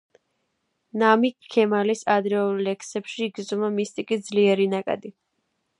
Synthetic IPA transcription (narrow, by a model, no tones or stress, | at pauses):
namiɛmalisad̪ɾɛɔlɛksɛpʃiːɡzɔmamist̪ʼikʼid̪zliɛɾinakʼa̰d̪i